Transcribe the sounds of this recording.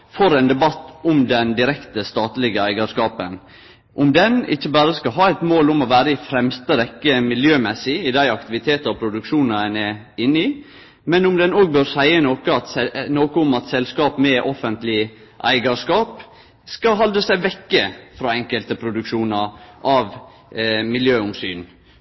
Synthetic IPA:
fɔɾɛnd̪ɛbɑt̪ːʊmd̪ɛnd̪ɪɾɛkt̪əst̪ɑːt̪lɪɡəæɪɡɑʂkɑːpən | ʔʊmd̪ɛnɪ̰çːəbɑːɾəskɑɦɑːæɪt̪moːlʊmɔʋæːɾəɪfɾɛmst̪əɾɛkːəmɪljøːmɛsɪɪd̪æɪɑkt̪ɪʋɪt̪ʰeːt̪ɔpʰɾʊd̪ʉkʂuːnɑɛnɛ | ɪnːɪ | mɛnʊmd̪ɛnoːɡ̚bøːɾsæɪənoːkəɑt̪ɛnoːkəʊmɑt̪sɛlskɑːpmɛʔɔfənt̪lɪ | ʔæ̰ɪɡɑʂkɑːp | skɑɦɑld̪ɾəsæɪʋɛkːəfɾɑːɛŋkəlt̪əpʰɾʊd̪ʉkʂuːnɑɾʔɑʋ | mɪljøːʊmsyːn

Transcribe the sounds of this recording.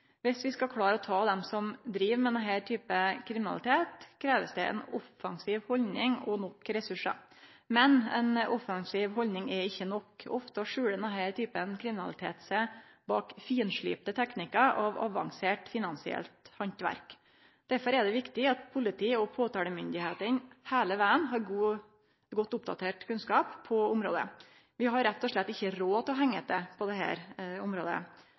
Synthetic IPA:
ʋɪsʋɪskɑkʰɽɑːɾəɔt̪ʰɑːd̪ɛmsɔmd̪ɾiːʋmɛd̪ɛnɦæːɾt̪ʰyːpəkʰɾɪmɪnɑ̰lɪt̪ʰeːt̪kʰɾeːʋəsd̪ɛʔɛ̰nɔfːɑŋsiːʋhɔlnɪŋɔnɔkːɾɛsʉʂə̰ | mɛnɛ̰nʔɔfɑŋsiːʋɦɔlnɪŋɛɪçːənɔkɔft̪ɑʂʉːɽənɛnhæːɾt̪ʰyːpənkʰɾɪmɪnɑ̰lɪt̪ʰḛːt̪sɛbɑːkfiːənʂɭḭːpt̪ət̪ʰɛknɪkɑʔɑʋɑ̰ʋɑ̰ŋseːʈfɪnɑnsɪɛ̰lt̪hɑnt̪ʋæ̰ɾk | d̪̥æɾfɔɾɛɖ̪ɛʋɪkt̪ɪɑt̪pʰʊlɪt̪ʰiːɔpʰoːt̪ʰɑːləmʏnd̪ɪheːt̪ənhæːləʋæːənɦɑɾɡuː | ɡɔt̪ːʊpd̪ɑ̰t̪ʰeːʈkʰʉnskɑːppʰːɔʊmɾo̰ːd̪ə̰ | ʋɪɦɑɾːæt̪ːɔʂɭɛt̪ːɪçːəɾoːt̪ʰɪlɔɦɛŋːət̪ɛpʰɔd̪ɛɦæ̰ːɾʊmɾoːd̪ə̰

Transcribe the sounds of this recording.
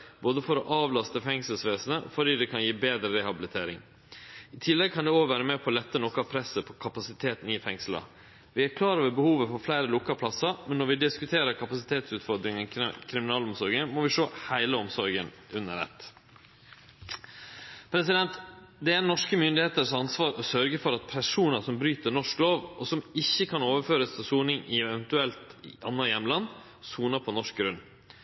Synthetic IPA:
boːd̪əfɔɾɔʔɑːʋlɑst̪əfɛŋsəlsʋeːsənəʔɔ̰fɔɖiːd̪ɛkʰɑnjiːbeːd̪ɾəɾɛhɑbɪlɪt̪ʰeːɾɪ̰ŋ | ɪt̪ʰɪlːɛɡ̚kʰɑnd̪ɛoːʋæːɾəmɛpʰɔːlɛt̪ːənɔkəɑpʰɾɛsːəpʰɔkʰɑpɑsɪt̪ʰeːt̪n̩ɪfɛŋslɑ̰ | ʋɪæɾkʰlɑːɾoːʋəbəhuːʋəfɔflæɪɾəlʊkːɑpʰlɑsəmɛnːɔɾʋɪd̪ɪskʉt̪ʰeːɾəɾkʰɑpɑsɪ̥t̪ʰeːt̪sʉːt̪fɔɾd̪ɾɪŋənkʰɾɪmɪnɑːlɔmsɔɾɡənmɔʋɪʂoːhæɪləɔmsɔɾɡən | ʔʉnːə̰ɾɛ̰t̪ː | pʰɾɛs̬ɪd̪ɛnt̪d̪ɛænɔʂkəmʏnd̪ɪeːt̪əʂɑnsʋɑːɾʔɔsœɾɡəfɔɾɑt̪̚pʰæʂuːnəʂɔmbɾyːt̪ənɔʂkloːʋʔɔsɔmɪçːəkʰɑnoːʋəɾføːɾəst̪ʰɪlsuːnɪŋɪɛʋɛnt̪ʉɛlt̪ʔɑnːɑjɛmːlɑnː | suːnəpʰɔnɔʂk̚ɡɾʉn

